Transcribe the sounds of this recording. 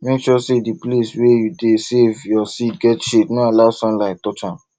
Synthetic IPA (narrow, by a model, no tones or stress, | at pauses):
mekʃɔsedipleswejudesevjɔsit̚ɡɛtʃetnoalaʊsɔ̃nlaɪk̚tɔt͡ʃã